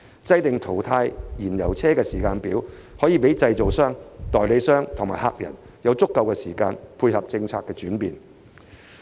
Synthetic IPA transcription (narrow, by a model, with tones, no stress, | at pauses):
t͡sɐ˥jt̪ɪ˨ŋt̪ʰo˨˩wt̪ʰaː˧jjiː˨˩njɐ̰˨˩wt͡sʰɛː˥kɛː˧siː˨˩kaː˧npiː˨˥whɔː˨˥jiː˨˧pe˨˥jt͡sɐ˧jt͡so˨wsœː˥ŋt̪ɔː˨jle˨˧˥sœː˥ŋt̪ʰʊ˨˩ŋmaː˨˩ha̰˧k̚jɐ̰˨˩n | jɐ˨˧wt͡sʊ˥kːɐ˧wkɛː˧siː˨˩kaː˧npʰuː˧jhɐ˨p̚t͡sɪ˧ŋt͡sʰaː˧kːɛː˧t͡ʃyː˨˥npiː˨n